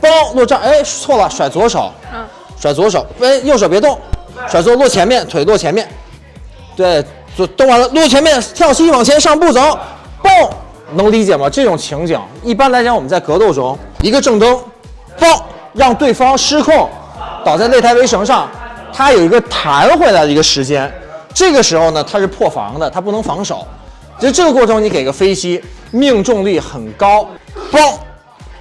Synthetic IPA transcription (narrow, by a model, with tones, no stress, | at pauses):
pɑ˥lwɔ˥˧ʈ͡ʂɑ˥˩e˥ɪt͡sʰwɔ˥˩lə˨˩ʂwa˨˩ɪt͡swɔ˧˥ʂo˨˩˦ʊ | ʂwa˨˩ɪt͡swɔ˧˥ʂ̬o˨˩˦ʊe˥ɪjo˥˩ʊʂ̬o˨˩ʊpjɛ˧˥t̪ʊ˥˩ŋʂwa˨˩ɪt͡swɔ˥˧lwɔ˥˩t͡ɕʰjɛ˧˥nmjɛ˥˩nt̪ʰwe˨˩ɪlwɔ˥˩t͡ɕʰjɛ˧˥nmjɛ˥˩n | t̪we˥˩ɪ | t͡st̪ʊ˥˧ŋwa˧˥˩lwɔ˥˩t͡ɕʰjɛ˧˥nmjɛ˥˧nt̪ʰjɑ˥˩ʊɕi˥wɑ˨˩ŋt͡ɕʰjɛ˧˥nʂɑ˥˧ŋpu˥˩t͡so˧˥˦ʊ | pu˥˩ŋ | nɤ˧˥ŋli˧˥t͡ɕjɛ˨˩mɐ˦ʈ͡ʂɤ˥˩ʈ͡ʂʊ˨˩ŋt͡ɕʰi˧˥ŋt͡ɕḭ˨˩˦ŋi˥˩pa˥nla˧˥ɪt͡ɕʰjɑ˥nwɔ˨˩mə˦nt͡sa˥˩ɪkɤ˧˥t̪o˥˩ʊʈ͡ʂʊ˥ŋi˧˥ɡə˧ʈ͡ʂɤ˥˩ŋt̪ɤ˥ŋ | pɑ˥˩ | ɻɑ˥˧ŋt̪we˥˩ɪfɑ˥ŋʂɻ̩˥kʰʊ˥˩ŋ | t̪ɑ˨˩ʊt͡sa˥˧le˥˩ɪt̪ʰa˥ɪʋe˥ɪʂɤ˧˥ŋʂɑ˥˩ŋt̪ʰa˥jo˨˩ʊi˧˥ɡə˧t̪ʰa˧˥nxwe˥˩ɪla˧˥ɪdə˧i˧˥ɡə˧ʂɻ̩˧˥t͡ɕjɛ˥nʈ͡ʂɤ˥˩ɡə˩ʂɻ̩˧˥xo˥˧ʊnə˩t̪ʰa˥ʂɻ̩˥˧pʰwɔ˥˩fɑ̰˧˥ŋd̪ə˧t̪ʰa˥pu˥˩nɤ˧˥ŋfɑ˧˥ŋʂo̰˨˩˦ | i˧˥ʂ̩˥ʈ͡ʂɤ˥˩ə˧kwɔ˥˩ʈ͡ʂʰɤ˧˥ŋni˥ke˨˩ɪ˩ɡə˦fe˥ɪt͡ɕi˥mi˥˧ŋʈ͡ʂʊ˥˧ŋli˥˩xə˨˩nkɑ˥ʊpɑ˥˩